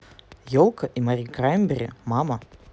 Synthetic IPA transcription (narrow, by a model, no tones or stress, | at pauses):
jolˠkəʔimaɾʲikrajmʲbʲɪɾʲɪmamə